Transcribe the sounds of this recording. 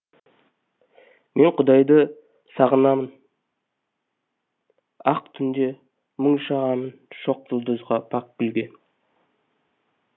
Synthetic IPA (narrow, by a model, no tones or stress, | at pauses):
me̞ɴqʰʊd̪ɑjd̪ə | sɑʁənɑmən | ɑq̚t̪ʰʏnd̪e̞ | məɴʃɑʁɑmənʃo̞q̚ʒəlˠd̪əzʁɑpʰɑk̚bɪlɡʲe̞n